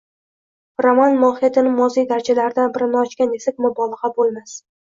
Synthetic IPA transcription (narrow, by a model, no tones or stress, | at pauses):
ɾomanmɒhɪjat̪ʰɪnɪmɒzijd̪aɾt͡ʃʰalaɾɪd̪anbɪɾɪnɪɒt͡ʃkʲanesɪk̚ʲmʊbɒlˠɨʁabolˠmas